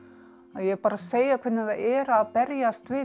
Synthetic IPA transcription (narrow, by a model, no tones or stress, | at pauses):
aðjɛɣpaːɾaseːjakʰvɪnːɪðaɛːɾaaðpɛɾjast̪vɪ